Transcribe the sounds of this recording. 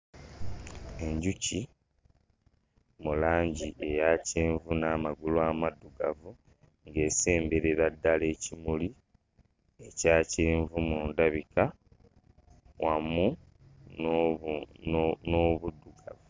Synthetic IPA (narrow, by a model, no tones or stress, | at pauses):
e̞ɲɟuci | mulaːɲɟiʔe̞jaːceːɱvunaːmaɡulwaːmadːuɡavu | ŋɡe̞ːse̞ːmbeɾeɾadːale̞ːcimuli | e̞caːceːɱvumuːndaβika | wamu | n | noβudːuɡa̰vu